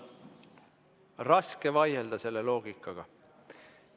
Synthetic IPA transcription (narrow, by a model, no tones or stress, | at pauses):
rɑske̞vɑjeld̪̥ɑse̞lːe̞lo̞ːɡ̥ikːˑɑɡ̥ɑ